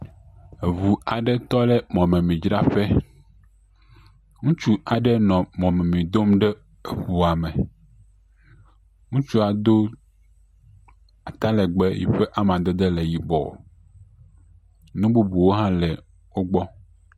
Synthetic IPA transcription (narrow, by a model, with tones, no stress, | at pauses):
vu˨a˨ɖɛ˦t̪ɔ˦lɛ˦mɔ̃˨mɛ̃˨mĩ˨d͡ʒɾa˦ɸɛ˦ | ŋũ˦t͡ʃu˦a˨ɖɛ˦nɔ̃˨mɔ̃˨mɛ̃˨mĩ˨d̪o˦mɖɛ˦˨ | βu˨a˨mɛ̃˨ | ŋũ˦t͡ʃu˦a˨d̪o˦ | a˨t̪a˦lɛ˨ɡ͡bɛ˦jḭ˨ɸe˦ʔa˦m˨ã˨d̪e˦d̪ɛ˦lɛ˨ji˨bɔ̰˨ | nũ˦bu˦bu˨wo˦ɦã˦lɛ˨ | wo˦ɡ͡bɔ˦